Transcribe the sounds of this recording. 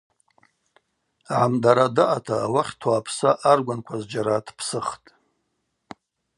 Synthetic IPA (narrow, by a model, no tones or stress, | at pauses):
ʕamdaɾadaʔatʰaːwaχʲtʰaːpʰsaʔarɡʷankʷʰazd͡ʒaɾatʰpʰsɨχtʼ